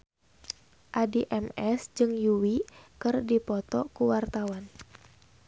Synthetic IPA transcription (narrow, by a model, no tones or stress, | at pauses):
ʔadiʔɛmɛsd͡ʒɨŋjuwikɨrdipɔt̪ɔkuwart̪awan